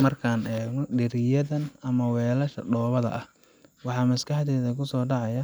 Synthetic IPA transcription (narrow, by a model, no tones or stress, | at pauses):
mɐrkʰaːnɛːɡnɔɖɪɾɪjɐðɐnɐmɐwɛːlɐʃɐ̰ɖɔːβɐðɐ̰ʔɐh | wɑħɑːmɐskɑħt̪ɛːðɐkʰʊsɔːɖɑʕɑjɐ